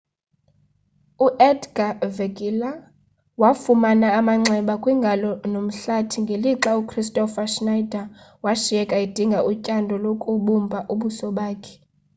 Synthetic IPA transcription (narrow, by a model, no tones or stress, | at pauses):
uʔɛdɡaveɡila | wafumanaːmaŋ͡ǀɛɓakʼwiŋɡʱalɔnom̩ɬatʰiŋɡʱeliǁaukʰristʼɔfaʃnajdʱawaʃijɛkʼaid̥ʱiŋɡʱaʔucʼandʱɔlokʼuɓumbʱaʔuɓusɔɓaːkʰɛ̥